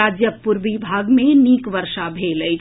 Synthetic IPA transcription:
aːd͡ʒjəpuɾʋibʱaːɡmẽniːkʋəɾʃabʱeːlə

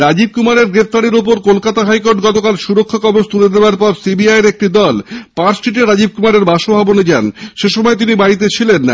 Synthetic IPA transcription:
ɾad͡ʑib̚kumaɾeɾɡɾep̚t̪aɾeɾop̬oɾkolkat̪aɦajkoʈɡɔt̪okalʃuɾokʰːokɔbot͡ɕt̪uled̪eoaɾpɔɾsibiajeɾek̚ʈid̪ɔlpaɾsʈiʈeɾad͡ʑib̚kumaɾeɾbaʃobʱaboned͡ʑanʃeʃɔmɔet̪̬inibaɾit̪̬et͡ɕʰilenːa

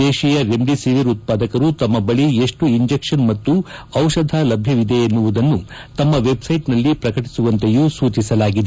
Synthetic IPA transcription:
eːʃijɐɾeɳd̪isiʋiɾut̪̚paːd̪ɐkɐɾut̪ɐmːɐbɐɭieʂʈuiɲd͡ʒekʂɐnmɐt̪ːuɐwʂɐd̪ʱalɐbʱjɐʋid̪ejenːuʋud̪ɐnːu | t̪ɐmːɐʋe̞bsɐjʈnɐlːipɾɐkɐʈi̥suʋɐnt̪ejuːsuːt͡ʃisɐlaːɡid̪e

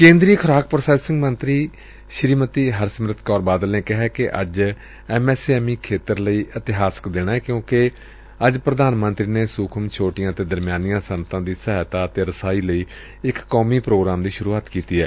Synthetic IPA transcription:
kẽːnd̪ɾiːkʰəɾaːk̚pɾsaːsɪŋɡmənt̪ɾiː | ʃɾiːmət̪iːɦəɾsəmɾət̪ʰkɔːɾbaːd̪əlnẽːkɪɦɛːkɪʔə̰d͡ʒ | ɛːmɛːseɛːmiːkʰeːt̪əɾləiːʔət̪ɪɦaːsə̥kd̪eːɽaːɛːkjõːke | əd͡ʒpɾəd̪aːnmə̃nt̪ɾiːneːsʊːkʰəmt͡ʃʰoːʈɪjãːt̪eːd̪əɾmjaːnijãːsənət̪ãːd̪iːsəːt̪aːət̪eːɾəsaːiːləiː | ɪkːɔːmiːpɾoːɡɾaːmd̪iːʃʊɾuːaːt̪kiːt̪iːɦɛː

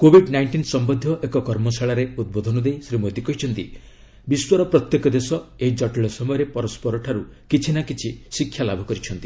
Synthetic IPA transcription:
kobʱiɖnajɳʈinsɔmbɔd̪ʱjɔʔekɔkɔɾmɔsaɭaɾeud̪̚bod̪ʱɔnɔd̪ejsɾimot̪ikɔɦit͡ʃʰɔnt̪i | biswɔɾɔpɾɔt̪jekɔd̪esɔeid͡ʒɔʈeɭɔsɔmɔjɔɾepɔɾɔspɔɾɔʈʰaɾukit͡ʃʰinakit͡ʃʰisikʰːjalabʱɔkɔɾit͡ʃʰɔnt̪i̥

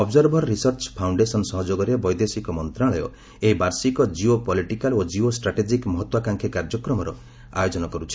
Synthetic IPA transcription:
ɔbzɔɾbʱɔɾɔːisɔɾt͡ʃpʰawɳɖesɔnsɔɦɔd͡ʒoɡɔɾebɔjd̪esikɔmɔnt̪ɾaɭɔjɔ̰ | eɦibaɾsikɔd͡ʒiopɔliʈikalod͡ʒiosʈɾaʈed͡ʒikmɔɦɔt̪wakaŋkʰekaɾd͡ʒɔkɾɔmɔɾɔ | a̰jod͡ʒɔnɔkɔɾut͡ʃʰi̥

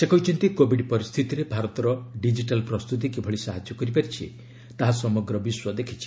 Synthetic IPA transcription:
sekɔɦut͡ʃʰɔnt̪ikobʱiɖpɔɾist̪ʰit̪iɾebʱaɾɔt̪ɔɾɔɖid͡ʒiʈalpɾɔst̪ut̪̬ikibʱɔɭisaɦad͡ʒɔkɔɾip̬aɾit͡ʃʰḭ | t̪aɦasɔmɔɡɾɔbiswɔd̪ekʰit͡ʃʰi̥

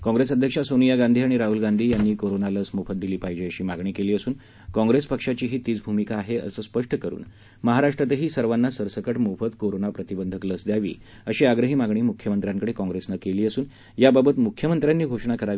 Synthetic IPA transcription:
kɔ̃ŋɡɾesəd̪ʱjəkʂasonijaɡand̪ʱiːaɽ̃iɾaɦuːlɡand̪ʱiːjanːiːkoɾonaləsmofət̪̚d̪iliːpaɦjd͡ʑeəɕiːmaɡɳ̃iːkeliːəsuːn | kɔ̃ŋɡɾespəkʂat͡ɕiːɦiːt̪iːt͡sbʱumikaːɦeʔə̰səːspəʂʈʰəkəɾṵːn | məɦaɾaʂʈɾat̪əɦiːsəɾʋanːasəɾsəkəʈmofət̪koɾonapɾət̪ibənd̪ʱəkləsd̪jaʋḭː | əɕiːaɡɾəɦiːmaɡɳ̃iːmukʰjəmənt̪ɾjãŋkəɽekɔ̃ŋɡɾesnakeliːəsuːn | jababət̪mukʰjəmənt̪ɾjanːiːɡʱoʂɳakəɾaʋi

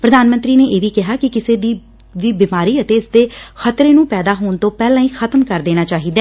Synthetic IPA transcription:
pɾəd̪aːnmə̃nt̪ɾiːneːʔeːʋiːkɪɦaːkɪkɪseːd̪iː | ʋiːbɪːmaːɾiːət̪eːɪsd̪eːxʰət̪ɾeːnũːpɛːd̪aːɦoːnt̪õːpɛːlãːĩːxʰət̪əmkəɾd̪eːnaːt͡ʃaːɦiːd̪ɛː

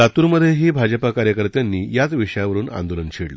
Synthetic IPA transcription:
at̪uːɾməd̪ʱːjeɦiːbʱad͡ʑəpakaɾjəkəɾt̪janːiːjat͡sʋiʂjaʋəɾuːna̰nd̪olənɕiɽlo

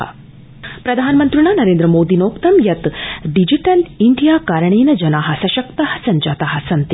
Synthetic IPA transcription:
pɾɐd̪ʱaːnmənt̪ɾiɳ̃anɐɾeːnd̪ɾəmoːd̪iːnoːkt̪ɐmjɐt̪ɖid͡ʒiʈɐlind̪ʱijaːkaɾɳ̃eːnɐd͡ʒɐnaɦɐsɐʃɐkt̪ɐhɐsɐɲd͡ʒaːt̪aɦɐsɐnt̪i

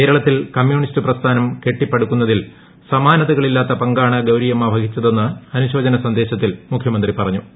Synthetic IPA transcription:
keːɾɐɭɐt̪ːilkɐmjuːɳistɨprɐst̪ʰaːnɐmke̞ʈːipːɐɽukːunːɐðil | sɐmaːnɐðɐɣɐɭilːaːt̪ːɐpɐŋɡaːɳɐɡɐwɾiːjɐmaːbʱɐɡit͡ɕːɐðe̞nːɨɐnuɕo̞ːd͡ʑɐnɐsɐnd̪e̞ːɕɐt̪ːilmukʰjɐmɐnd̪ripɐrɐɲːu

